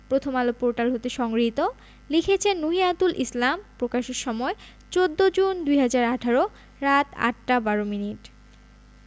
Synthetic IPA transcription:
pɾot̪ʰomalopoɾʈalɦot̪eʃɔŋɡɾit̪o | likʰet͡ɕʰenːuɦiat̪ulʔislampɾokaʃeɾʃɔmɔe | t͡ɕod̪ːod͡ʑund̪ujɦad͡ʑaɾaʈʰaɾo | ɾat̪a̰ʈːabaɾominiʈ

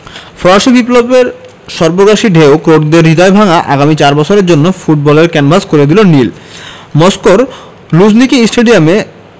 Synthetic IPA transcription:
fɾɔʃibiplobeɾ | ʃɔɾboɡaʃiɖʱeokɾoʈd̪eɾːid̪aebʱaŋaʔaɡamit͡ɕaɾbɔt͡ɕʰoɾeɾd͡ʑonːofuʈ̚bɔleɾkɛnbʱaskoɾed̪ilonilmɔskoɾ | lud͡ʑnikisʈeɖiame

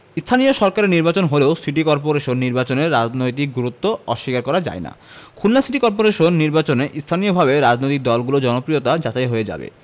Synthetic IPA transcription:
st̪ʰanijoʃɔɾkaɾeɾniɾbat͡ɕonɦoleosiʈikɔɾpoɾeʃonːiɾbat͡ɕoneɾːad͡ʑnojt̪̬ik̚ɡuɾut̪ːoɔʃːikaɾkɔɾad͡ʑa̰ena̰ | kʰulːasiʈikɔɾp̬oɾeʃonːiɾbat͡ɕoneʔist̪ʰanijobʱabeɾad͡ʑnojt̪ik̚d̪ɔlɡulod͡ʑɔnopɾijot̪ad͡ʑat͡ɕajɦoed͡ʑa̰bḛ

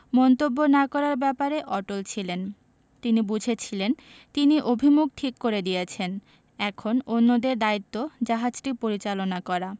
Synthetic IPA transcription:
mɔnt̪obːonakɔɾaɾbɛpaɾeʔɔʈolt͡ɕʰilen | t̪inibud͡ʑʱet͡ɕʰilen | t̪iniʔobʱimuk̚ʈʰikːoɾed̪ijet͡ɕʰen | ɛkʰononːod̪eɾd̪ait̪ːod͡ʑaɦad͡ʑʈipoɾit͡ɕalonakɔɾa

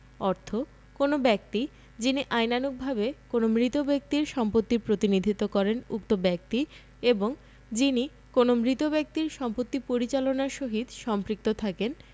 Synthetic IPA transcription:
ɔɾt̪ʰo | konobɛk̚t̪i | d͡ʑiniʔajnanuk̚bʱabekonomɾit̪obek̚t̪iɾʃɔmpot̪ːiɾpɾot̪inid̪ʱit̪ːokɔɾenṵk̚t̪obɛk̚t̪i | eboŋ | d͡ʑini | konomɾit̪obɛk̚t̪iɾʃɔmpot̪ːipoɾit͡ɕalonaʃoɦid̪ʃɔmpɾik̚t̪ot̪ʰaken

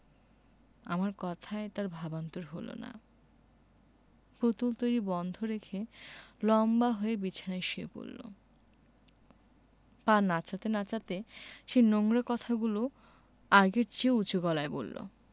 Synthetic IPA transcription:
a̰maɾkɔt̪ʰaet̪aɾbʱabant̪oɾɦolo̰na̰ | pɾot̪ult̪ojɾibɔnd̪ʱoɾekʰelɔmbaɦoebit͡ɕʰanaʃeepo̰lːo̰ | paɾnat͡ɕat̪enat͡ɕat̪eʃenoŋɡɾakɔt̪ʰaɡulo | aɡeɾt͡ɕiut͡ɕoɡɔlaebo̰lːo̰

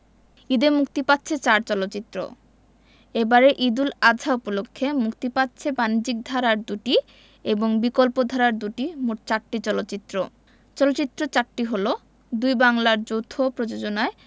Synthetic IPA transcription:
id̪emukt̪ipatːɕʰet͡ɕaɾt͡ɕɔlotːt͡ɕit̪ːɾo̰ | ebaɾeʔid̪ulad͡ʑʱaupolokʰːemukt̪ipatːɕʰebanid͡ʑik̚d̪ʱaɾaɾd̪uʈi | eboŋbikolpod̪ʱaɾaɾd̪uʈimoʈ̚t͡ɕaʈʈːit͡ɕɔlot̪ːɕit̪ːɾo | t͡ɕɔlotːt͡ɕit̪ːɾot͡ɕaʈʈːiɦolo | d̪ujbaŋlaɾd͡ʑowt̪ʰopɾod͡ʑod͡ʑonae

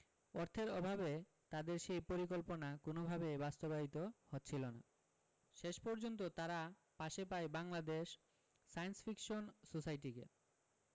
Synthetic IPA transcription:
oɾt̪ʰeɾɔbʱabe | t̪ad̪eɾʃejpoɾik̬olponakonobʱabebast̪obaɦit̪ohotːɕʰilona̰ | ʃeʃpɔɾd͡ʑont̪̬ot̪aɾa | paʃepaebaŋlad̪eʃ | sajnsfikʃonsosajʈ̬ikḛ

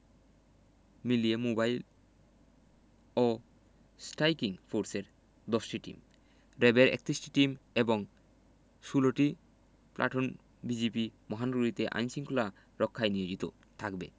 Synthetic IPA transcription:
miliemobajl | o | sʈajkiŋfʰoɾseɾ | d̪ɔsʈiʈḭm | ɾebeɾḛk̚t̪ɾisʈi̥ʈimeboŋ | ʃuloʈi | pla̰ʈʰon | bid͡ʑipimɔɦanɾuɾit̪eʔa̰jnsiŋkʰula | ɾɔkʰːajnijod͡ʑit̪o | t̪ʰakbḛ

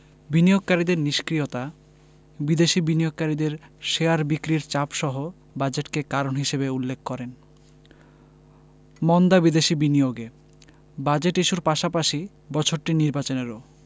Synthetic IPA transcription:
binijoɡ̚kaɾid̪eɾniʃkɾiot̪a | bid̪eʃibinijoɡ̚kaɾid̪eɾʃeaɾbikɾiɾt͡ɕapʃɔɦo | bad͡ʑeʈkekaɾonɦiʃebeulːekʰkɔɾen | mɔnd̪abid̪eʃibinioɡe | bad͡ʑeʈiʃuɾpaʃapaʃi | bɔt͡ɕʰoɾʈiniɾbat͡ɕoneɾo

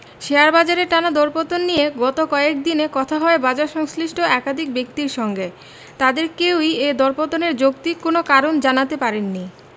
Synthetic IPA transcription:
ʃeaɾbad͡ʑaɾeɾʈanad̪ɔɾpot̪onːijeɡɔt̪okɔek̚d̪inekɔt̪ʰaɦɔebad͡ʑaɾʃɔŋsliʃʈʰoʔɛkad̪ʱik̚bek̚t̪iɾʃɔŋɡe | t̪ad̪eɾkewied̪ɔɾpot̪oneɾd͡ʑokt̪ikːonokaɾond͡ʑanat̪epaɾenːi

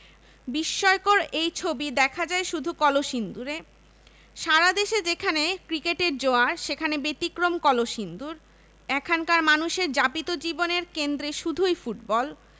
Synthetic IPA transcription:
biʃːɔekoɾejt͡ɕʰobid̪ɛkʰad͡ʑaeʃud̪ʱukɔloʃind̪uɾe | ʃaɾad̪eʃed͡ʑekʰanekɾikeʈeɾd͡ʑoaɾʃekʰanebet̪ikɾomkɔloʃind̪uɾ | ɛkʰankaɾmanuʃeɾd͡ʑapit̪od͡ʑiboneɾkend̪ɾeʃud̪ʱujfuʈ̚bɔl

